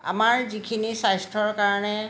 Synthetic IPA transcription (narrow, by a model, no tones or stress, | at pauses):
a̰maɹzikʰinisajstʰɔɹkaɹɔnɛ